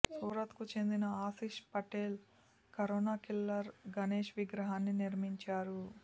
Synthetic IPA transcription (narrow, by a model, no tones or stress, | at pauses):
suːɾɐt̪kut͡ʃe̞nd̪inɐaːsiʃpɐʈeːl | kɐɾoːnaːkilːɐɾɡɐneːʃʋiɡɾɐɦaːnːiniɾmiɲt͡ʃaːɾu